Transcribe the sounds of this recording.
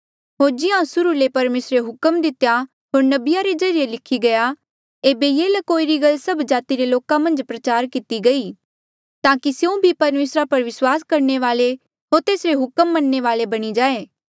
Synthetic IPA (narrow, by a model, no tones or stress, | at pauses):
ɦoːɾd͡ʒɪãsʊɾulepɐɾmeːsɾeɦʊkəmd̪ɪt̪ja | ɦoːɾnɐbɪjaɾed͡ʒɐɾijelɪkʰiɡɐja | eːbejeːlɐkoːiɾiɡɐlsɐbd͡ʒaːt̪iɾeloːkãmɐ̃nd͡ʒpɾɐt͡ʃaːɾkɪt̪iɡɐi | t̪aːkisjeũbʱipɐɾmeːsɾapɐɾʋɪswaːskɐɾɳeʋaːle | ɦoːɾt̪eːsɾeɦʊkəmːɐnːeʋaːlebɐɽ̃id͡ʒaːeː